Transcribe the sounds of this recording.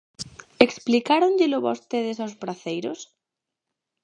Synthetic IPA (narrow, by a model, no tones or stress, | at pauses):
eksplikaɾoɲʎɪlʊβost̪eð̞esawspɾaθejɾos